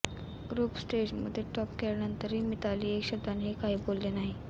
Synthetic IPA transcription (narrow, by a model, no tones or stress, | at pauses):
ɡɾuːpsʈed͡ʑmə̰d̪ʱːjeʈɔpkelnənt̪əɾɦiːmit̪aliːekɕəb̚d̪ʱanɦiːkaɦiːbolːenaɦi